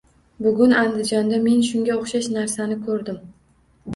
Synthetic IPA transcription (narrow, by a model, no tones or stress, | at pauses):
bʊɡʲʊnand̪ɪd͡ʒɒnd̪ame̞nʃʊŋɡʲaoχʃaʃnaɾsanɪkʰɵɾd̪ɪm